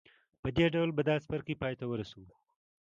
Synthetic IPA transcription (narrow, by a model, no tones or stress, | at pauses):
pəd̪eɖawlbad̪ɑːspaɾkipɑːjt̪awəɾasow